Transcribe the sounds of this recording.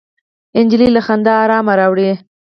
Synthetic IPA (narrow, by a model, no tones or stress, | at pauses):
ɪnd͡ʒlilaxand̪aːɾɑmaɾɑwɽi